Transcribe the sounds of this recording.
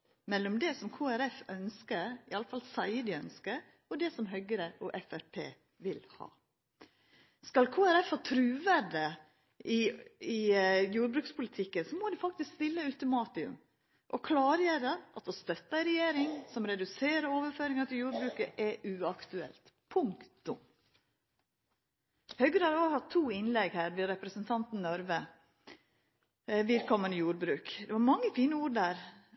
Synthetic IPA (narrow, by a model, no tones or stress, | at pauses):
mɛlːɔmd̪ɛsɔmkʰoːæɾɛfœnskəɾɪɑləfɑlsæɪəd̪ɪœnskə | ɔd̪ɛsɔmɦœɡəɾəʔɔʔɛfæɾpʰḛː | ʋɪlhɑ̰ː | skɑlkʰoːæɾɛfhɑːt̪ʰɾʉːʋæɖə | ʔɪɪjuːɾbɾʉːkspʰʊlɪt̪ʰɪkːənsɔmɔd̪ɪfɑk̚t̪ɪskst̪ɪlːəʉt̪ʊmɑːt̪ɪʉ̰m | ʔɔkʰlɑːɾjɛɾəʔɑt̪ɔst̪œt̪ːəɪɾɛjeːɾɪŋsɔmɾɛd̪ʉseːɾəɾoːʋəɾføːɾɪŋɑt̪ʰɪljuːɾbɾʉːkəʔɛʔʉɑkt̪ʉɛ̰lt̪ | pʰʊŋkt̪ʊm | hœʏɡəɾhɑɾoːhɑt̪ʰːuːɪnlɛɡhæːɾʋɪɾɛpɾəsənt̪ʰɑnt̪n̩nɔɾʋə | ʋɪlkʰɔmənəjuːɾbɾʉːkd̪ɛʋɑɾmɑŋːəfiːnəuːɾd̪æːɾ